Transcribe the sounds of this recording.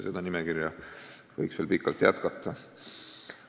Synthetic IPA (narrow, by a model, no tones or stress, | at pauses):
sed̪̥ɑnimekirjɑvɤ̰jksv̥e̞ːlpikːˑɑlt̪ˑjæ̰t̪kɑt̪ˑːɑ